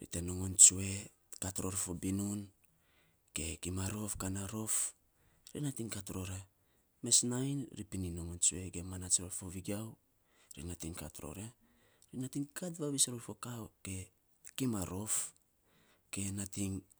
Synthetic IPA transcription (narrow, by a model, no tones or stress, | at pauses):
ɾḭteno̞ŋo̞nt͡ʃue̞ | katɾo̞ɾfo̞binun | ke̞kimaɾo̞fkanaɾo̞f | ɾinatiŋkatɾo̞ɾe | me̞snajnɾipinino̞ŋont͡ʃue̞ɡemanat͡ʃɾoɾfoβiɡiaw | ɾḭnatiŋka̰tɾo̰ɾe | ɾinatiŋkatβaβisɾoɾfo̞kawke̞ | kimaɾo̞f | ke̞natiŋ